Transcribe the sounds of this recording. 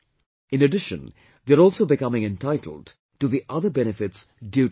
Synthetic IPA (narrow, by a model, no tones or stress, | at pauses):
ɪ̃nəɖɪʃə̰̃n | d̪eəɾɔːlsoːbɪkʌmɪ̃ŋɛ̃nʈaɪʈʰˡl̩ɖ | ʈuðiʔʌðəbɛnɪfɪʈs | ɖju